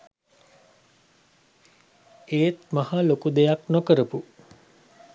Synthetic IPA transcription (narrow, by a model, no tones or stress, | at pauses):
eːt̪mahalokud̪ejaknokəɾəpu